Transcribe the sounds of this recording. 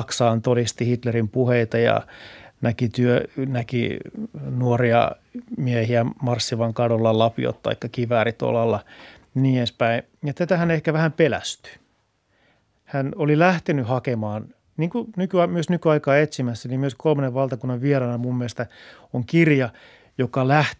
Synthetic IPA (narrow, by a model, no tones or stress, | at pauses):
ksɑːnt̪odist̪ihit̪lerimpuheit̪ɑjɑ̰nækit̪yønækḭnuoriɑ̰ | miehiæmɑrsːiʋɑŋkɑdolːɑlɑpḭo̰t̪t̪ɑ̰ikːɑkiʋæːɾit̪o̰lɑlːɑ | niːenspæi | jɑt̪æt̪æhænehkæʋæhæmpelæ̰st̪y̥ | hænolilæht̪enyhɑkemɑːn | niːŋkunykyɑmyøsnykyɑikɑːet̪simæsːænimmyøskolmɑneʋʋɑlt̪ɑkunːɑʋʋielɑnɑmumːilest̪æ | oŋkirjɑ | jokɑlæht̪